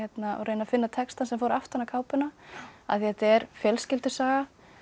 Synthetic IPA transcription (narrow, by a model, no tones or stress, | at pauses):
ɛt̪naɔ̰ɣɾeːjnafɪnːat̪ʰɛkst̪ansɛmfoːwɾaft̪anakʰaːwpʏnaa̰θiɛt̪aɛɾ̥fjœlscɪlt̪ʏ̥saːɣa